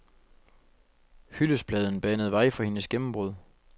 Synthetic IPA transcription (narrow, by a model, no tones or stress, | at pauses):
hyləsb̥lɛːð̞ˠn̩b̥æn̰əðˠʋɑ̈ɪfɒhe̝nəsɡ̥emm̩b̥ʁuð̞̰ˠ